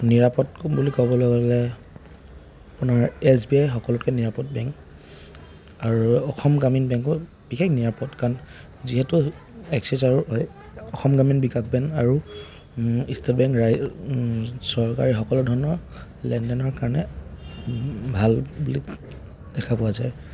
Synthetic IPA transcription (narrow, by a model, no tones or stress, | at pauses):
niɹapɔtbulikɔbɔlɔɡɔlɛ | apunaɹɛsbiajxɔkɔlʊtkɛniɹapɔt̚bɛŋk | aɹuɔxɔmɡaminbɛŋkɔ | bikʰɛkniɹapɔtkaɹn | ziɦɛtʊɛksizaɹuɦɔj | ɔxɔmɡaminbikak̚bɛŋaɹu | istatbɛŋkɹa | sɔɹka̰ɹixɔkɔlɔdʱɔɹnɔ | lɛndɛnɔɹkaɹnɛ | bʱalbulik | d̥ɛkʰapʊazaj